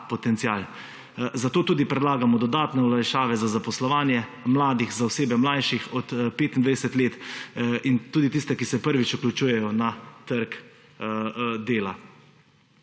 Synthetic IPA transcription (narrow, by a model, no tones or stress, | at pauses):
pɔt̪ɛnt̪siaːl | zat̪oːt̪uːd̪ipɾɛd̪laːɡamɔd̪ɔd̪aːt̪nɛɔlajʃaːʋɛzazapɔslɔʋaːnjɛmlaːd̪ixzaɔseːbɛmlajʃixɔt̪peːt̪ind̪ʋajɛsɛt̪leːt̪int̪uːd̪it̪ist̪ɛkisɛpəɾʋit͡ʃuklʲut͡ʃuːjɛjɔnat̪əɾk | d̪eːla